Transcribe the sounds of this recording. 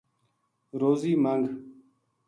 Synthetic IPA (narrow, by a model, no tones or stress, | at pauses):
ɾoːziːmaŋɡ